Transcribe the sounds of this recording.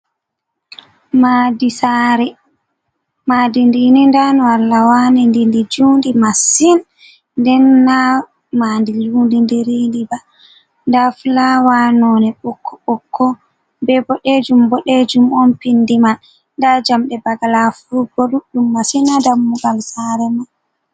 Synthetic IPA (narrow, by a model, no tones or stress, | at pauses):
madisaɾɛ | madindinindanɔalːawanɛndindid͡ʒundimasin | ndɛnːa | mandid͡ʒundindiɾindiba | ndaflawanɔnɛɓɔkʰːɔɓɔkʰːɔ | bɛbɔɗed͡ʒumbɔɗed͡ʒumɔnpindiman | ndad͡ʒamɗɛbaɡalafuɾubɔluɗumːasinadamːuɡalsaːɾɛman